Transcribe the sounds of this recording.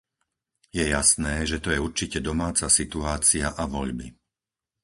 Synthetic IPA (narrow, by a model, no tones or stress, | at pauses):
jɛjasnɛːʒɛt̪ɔjɛuɾt͡ʃicɛd̪ɔmaːt͡sasit̪uaːt͡siaʔaʋɔʎbi